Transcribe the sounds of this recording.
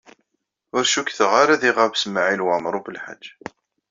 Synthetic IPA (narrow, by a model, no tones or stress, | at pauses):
ʊɾʃukθəʁaɾaðiʁavsəmʕilwamɾˤubəlħa̰d͡ʒː